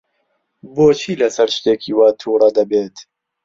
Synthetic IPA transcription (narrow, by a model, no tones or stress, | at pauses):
boːt͡ʃʰiːlɐsɐɾʃt̪eːkʰiːwaːt̪ʰuːɾˤɐd̪ɐbeːt̪